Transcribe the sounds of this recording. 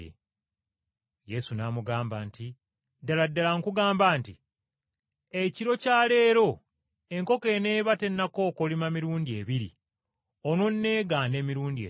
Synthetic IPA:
je̞sunamuɡaːmbaːnti | daladːalaŋkuɡaːmbaːnti | eciɾo̞caːle̞ːɾo̞ | e̞ŋko̞ke̞ːne̞ːβate̞nːako̞ːkolimamiɾuːndie̞ːβiɾḭ | o̞no̞nːe̞ːɡaːne̞ːmiɾuːndie

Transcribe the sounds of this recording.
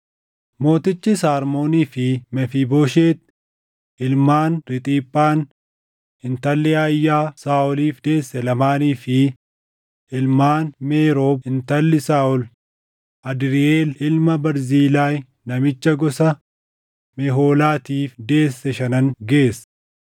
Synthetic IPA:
mo̞ːt̪ɪt͡ʃːɪsaːɾmo̞ːniːfɪmɛfiboːʃeːt̪̚ | ɪlmaːnɾɪt̪ʼiːpʼːaːn | ɪnt̪ɐlːɪɐjːaːsaːʔɔliːfd̪e̞ːsːɛlɐmaːniːfɪ | ɪlmaːnmeːɾoːbɪnt̪ɐlːɪsaːʊl | ʔɐd̪ɾɪeːlɪlmɐbɐɾziːlaːj | nɐmɪt͡ʃːɐɡɔsɐ | mɛɦoːlaːt̪iːfd̪e̞ːsːɛʃɐnɐŋɡe̞ːs

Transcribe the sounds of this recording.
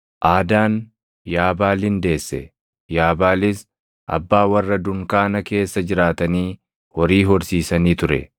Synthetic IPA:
ʔaːd̪aːn | jaːbaːlhɪnd̪e̞ːsːɛ̰ | jaːbaːlɪs | ʔɐ̰bːaːwɐrːɐd̪ʊŋkaːnɐke̞ːsːɐd͡ʒɪɾaːt̪ɐniː | wɔɾiːɦɔɾsiːsɐniːt̪ʊɾɛ̰

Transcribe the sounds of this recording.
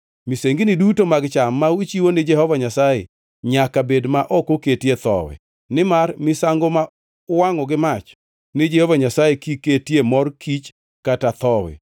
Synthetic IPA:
miseŋɡinɪdutomaɡt͡ʃamːawit͡ʃiwonɪd͡ʒɛhɔvaɲasajḛ | ɲakabedmaʔɔkoketjet̪ɔ̰wɛ̰ | nɪmarmɪsaŋɡoma | waŋɔɡɪmat͡ʃ | nɪd͡ʒɛhɔvaɲasajekiketjemɔrkʰit͡ʃ | katat̪ɔwɛ̰

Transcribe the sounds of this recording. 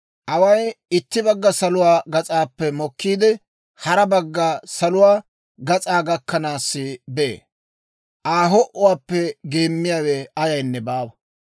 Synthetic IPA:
ʔɐwɐjɪt̪ːɪbɐɡːɐsɐlʊwaːɡɐt͡sʼaːpːɛmɔkːiːd̪ɪ | hɐɾɐbɐɡːɐsɐlʊwaː | ɡɐt͡sʼaːɡɐkːɐnaːsːɪbɛḛː | ʔaːɦɔʔʊwaːpːɛɡeːmːɪjaːwɛɐjɐjnːɛbaːwɐ

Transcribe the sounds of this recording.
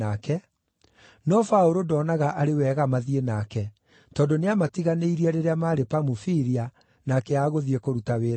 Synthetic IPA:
akɛ | nɔfaoɾodɔːnaɣaʔaɾewɛɣamaðienaːkɛ | tɔːndoneamatiɣaneiɾiaɾeɾeamaːɾepamufiɾia | nakɛaːɣoðiɛkoɾutaweːɾ

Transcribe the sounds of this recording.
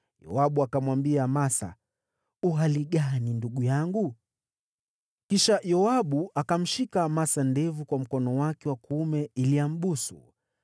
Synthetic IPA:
jɔ̰aɓuakamwambiaːmasa̰ | uɦaliɠaninduɠujaŋɡu | kiʃajɔaɓuʔakam̩ʃikaːmasandɛvukwam̩kɔnɔwakɛwakumɛiliam̩ɓusṵ

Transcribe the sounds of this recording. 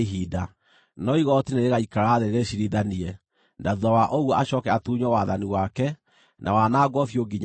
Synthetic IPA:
ɦiːda | nɔiɣɔtineɾeɣaikaɾaðeɾeɕiɾiðaniɛ | ndaðuðawaʔoɣwɔaɕɔkɛatuːɲɔwaðaniwakɛ | nʔa̰wanaːɡɔfjoɡiɲa

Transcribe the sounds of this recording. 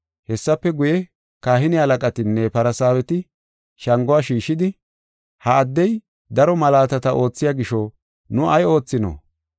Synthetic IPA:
hɛsːɐpːɛɡʊjɛ | kaːhɪnɪɐlɐkʼɐt̪ɪnːɛpɐɾɐsaːwɛt̪ɪ | ʃɐŋɡʊaːʃiːʃːɪd̪ɪ | hɐːd̪ːɛj | d̪ɐɾɔmɐlaːt̪ɐt̪ɐʔo̞ːt͡sːɪjaɡɪʃɔ | nʊʔɐjo̞ːt͡sːɪno̰

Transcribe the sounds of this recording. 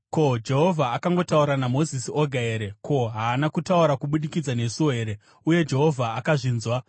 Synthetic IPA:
ko̞d͡ʒe̞ɦo̞vʱaːkaŋɡo̞tauɾanamo̞zisioɡʱaeːɾe̞kʰo̞ɦaːnakutauɾakuɓuɗikid͡zane̞suwoɦe̞ɾe̞ | uje̞d͡ʒe̞ɦo̞vʱaːkaʐiːnzwa

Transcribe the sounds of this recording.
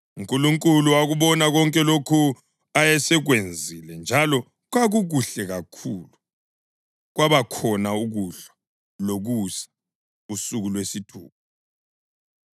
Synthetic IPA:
uŋkʼuluŋkʼuluaɣuβɔnaɣɔŋkʼɛlokʰu | ajɛsɛɣwend͡zʱilɛnd͡ʒʱalɔ | ɣwaɣuɣuɬɛɣakʰuːlu | ɣwaβakʰɔnauɣuɬḁ | loɣusḁ | usuɣulwesitʰṵːp̚ʰɔ̥

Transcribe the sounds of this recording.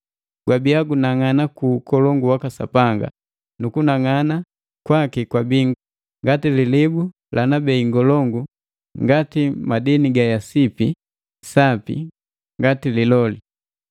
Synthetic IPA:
ɡ̥wabiaɡunaŋanakukɔlɔŋɡuwakasa̰paŋɡa̰ | nukunaŋana | kwakikwabi | ŋɡatililibu | lʔanabɛiŋɡɔlɔŋɡu | ŋɡatimadiniɡajasipi | sapḭ | ŋɡatililɔli

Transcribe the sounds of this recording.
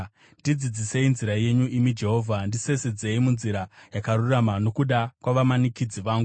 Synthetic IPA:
ndid͡zid͡zise̞inziɾaje̞ɲuʔimid͡ʒe̞ɦo̞ːvʱandise̞sed͡ze̞imunziɾajakaɾuramano̞kuɗakwaʋamanikid͡ziʋaːŋɡu

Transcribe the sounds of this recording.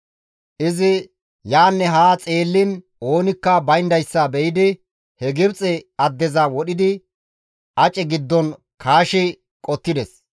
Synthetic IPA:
ʔɪzɪ | jaːnːɛɦaːt͡sʼe̞ːlːɪn | o̞ːnɪkːɐbɐjnd̪ɐjsːɐbɛjɪd̪ɪ | hɛɡɪbt͡sʼɛɐd̪ːɛzɐwɔɗɪd̪ɪ | ʔɐt͡ʃʼɛɡɪd̪ːɔn | kʰaːʃɪ | kʼɔt̪ːɪd̪ɛs

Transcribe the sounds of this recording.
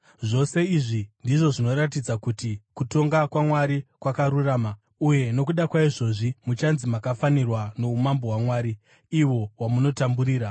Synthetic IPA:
ʐo̞se̞iʐindiʐo̞ʐino̞ɾat̬id͡zakutikuto̞ŋɡakwamwaɾikwakaɾuraːma | uje̞no̞kuɗakwaiʐo̞ʐimut͡ʃanzimakafanirwano̞umambo̞ɦwamwaːɾi | iwo̞wamuno̞tambuɾiːɾa

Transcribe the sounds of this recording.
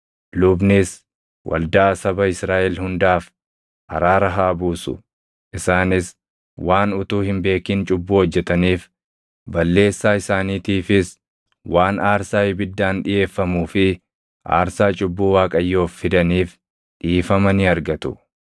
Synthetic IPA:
lʊbnɪs | wʔɐ̰ld̪aːsɐbɐɪsɾaːʔɛlhʊnd̪aːf | ʔɐ̰ɾaːɾɐɦaːbuːsʊ̰ | ʔɪsaːnɪs | waːnʊt̪uːhɪmbe̞ːkiːnt͡ʃʼʊbːuːhɔd͡ʒːɛt̪ɐniːf | bɐlːe̞ːsːaːɪsaːniːt̪iːfɪs | wʔaːnaːɾsaːhɪbɪd̪ːaːnᶑɪje̞ːfːɐmuːfɪ | ʔa̰ːɾsaːt͡ʃʼʊbːuːwaːkʼɐjːo̞ːfːɪd̪ɐniːf | ᶑiːfɐmɐnɪɐɾɡɐt̪ʊ̥

